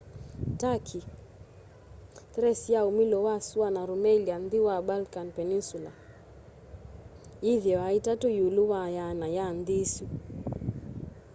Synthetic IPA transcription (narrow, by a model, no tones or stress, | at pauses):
takʰi | tɾɛsjaomilɔwasuanaɾomɛliandiwabalkanpɛninsula̰ | iðjɛwaitatojuluwajanajandisu